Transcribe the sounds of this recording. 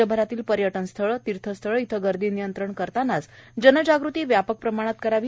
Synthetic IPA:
əbʱəɾat̪iːlpəɾjəʈənst̪ʰəɭət̪iɾt̪ʰəst̪ʰəɭəit̪ʰəɡəɾd̪iːnijənt̪ɾəɳkəɾt̪anːat͡sd͡ʑənəd͡ʑaɡɾut̪iːʋjapək̚pɾəmaɽ̃at̪̚kəɾaʋi

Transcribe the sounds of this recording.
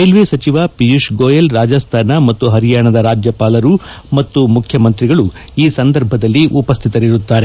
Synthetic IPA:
ɐjlʋesɐt͡ʃiʋapijuʂɡoːjɐlɾaːd͡ʒɐst̪ʰaːnɐmɐt̪ːuɦɐɾijaːɳɐd̪ɐɾaːd͡ʒjɐpaːlɐɾu | mɐt̪ːumukʰjɐmɐnt̪ɾiɡɐɭu | iːsɐnd̪ɐɾbʱɐd̪ɐlːiʔupɐst̪ʰit̪ɐɾiɾut̪ːaːɾe̞

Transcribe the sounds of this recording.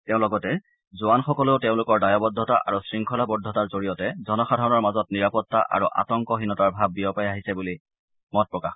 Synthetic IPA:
teʊ̃lɔɡɔtɛ | zʊanxɔkɔleʊteʊ̃lʊkɔɹdajɔbɔdʱːɔtaʔa̰ɹusɹiŋkʰɔlabɔdʱːɔtaɹzoɹijɔtɛzɔnɔxadʱaɹɔnɔɹmazɔtniɹapɔtːa̰ʔa̰ɹuʔa̰tɔŋkɔɦinɔtaɹbʱab̚ːijɔpajaɦisɛbuli | mɔt̚pɹɔkax

